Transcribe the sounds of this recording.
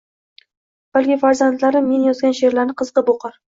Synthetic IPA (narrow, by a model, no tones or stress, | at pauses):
b̥alkʲɪfaɾzand̪laɾɪmːe̞njɒzɡʲanʃe̞ɾlaɾnɪqʰɨzqɨboqʰɑɾ